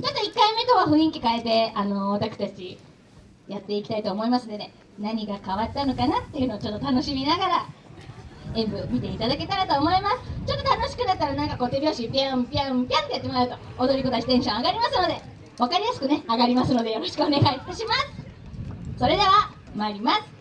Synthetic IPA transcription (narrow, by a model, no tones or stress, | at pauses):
t͡ɕo̞t̪ːo̞ikːaime̞t̪okaɸɯ̟̃ɰ̃ĩŋkʲikae̞t̪e̞ano̞βat̪akɯ̟t̪at͡ɕi | jat̪ːe̞ikʲi̥t̪ait̪o̞ːmo̞imasɨnod̪e̞̰ | naɲ̟iɡakaβatːano̞kanat̪ːe̞jɯ̟no̞ːt͡ɕo̞t̪ːo̞t̪ano̞ɕimʲinaɡaɾa | ẽ̞mbɯ̟mʲit̪e̞it̪ad̪ake̞t̪aɾat̪o̞ːmo̞imasɨ̥t͡ɕo̞t̪ːot̪ano̞ɕi̥kɯ̟nat̪̚t̪ːaɾanãŋkako̞ːt̪ebʲo̞ːɕipʲãpʲiãpʲãnt̪o̞jat̪ːemoɾaɯ̟t̪o̞od̪o̞ɾʲiko̞t̪aɕit̪ẽ̞ɕõaɡaɾʲimasɨno̞d̪e̞ | βakaɾʲijasɨ̥kɯ̟ne̞aɡaɾʲimasɨno̞d̪e̞jo̞ɾo̞ɕi̥kɯone̞ɡait̪aɕimasɨ̥ | so̞ɾe̞d̪e̞βa | maːɾʲimasɨ̥